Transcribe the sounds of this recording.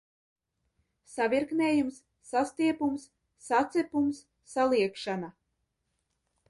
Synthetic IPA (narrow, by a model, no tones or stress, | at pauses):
savʲiɾkneːjumsː | ast̪iɛpumsː | at̪sɛpumsː | alˠiɛkʃana